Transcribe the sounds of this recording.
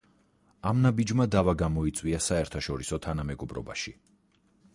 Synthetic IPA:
amnabid͡ʒmad̪avaɡamɔit̪sʼwiasaɛɾt̪ʰaʃɔɾisɔt̪ʰanamɛɡɔbɾɔ̰ba̰ʃi

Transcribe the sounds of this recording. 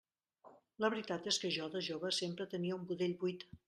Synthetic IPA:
ləβɾit̪at̪eskəʒɔðəʒoβəsempɾət̪əniəumbuðeʎbujt̪

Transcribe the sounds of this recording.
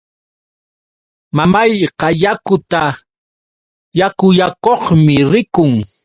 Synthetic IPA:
mamajqɑjakʊt̪a | jakʊjakoχmɪɾɪkʊŋ

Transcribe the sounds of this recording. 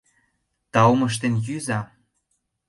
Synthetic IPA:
t̪ɑwoməʃ̬t̪enjyzɑ

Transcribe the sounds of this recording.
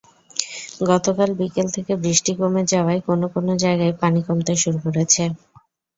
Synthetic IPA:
ɡɔt̪okalbikelt̪ʰekebɾiʃʈikomed͡ʑaoaekonokonod͡ʑaeɡaepanikomt̪eʃuɾukoɾet͡ɕʰe

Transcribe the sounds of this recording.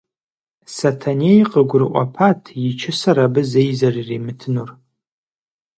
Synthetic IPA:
satʰanejqʼəɡʷʊrqʷʼa̰pʰatʰit͡ʃʰɪsaɾabɨzejzaririmɨtʰɨnur

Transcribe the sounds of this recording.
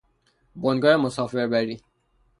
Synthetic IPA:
bonɡɔɾemosɔːfeɾbæɾi

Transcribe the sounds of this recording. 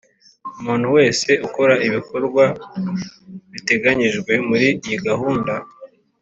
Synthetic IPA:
umuːnhuwe̞ːse̞ʔukoɾaiβikoɾɡwa | βite̞ɡaɲiʒɡwe̞muɾijiɡaɦuːnda

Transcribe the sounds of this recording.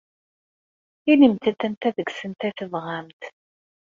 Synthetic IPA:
inimt̪ət̪ənt̪æðəɡsənt̪æθəvʁamt̪

